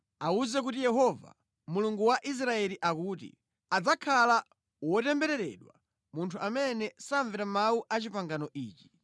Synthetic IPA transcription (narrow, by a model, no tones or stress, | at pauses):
auzɛk̬utijɛɦɔva̰ | muluŋɡuwaʔis̬ɾaɛliʔakutḭ | ad͡zakʰala | wɔtɛmbɛɾɛɾɛ̰ɗwa | muntʰuʔamɛnɛsaɱvɛɾamauʔat͡ʃipaŋɡanɔʔiːt͡ʃi̥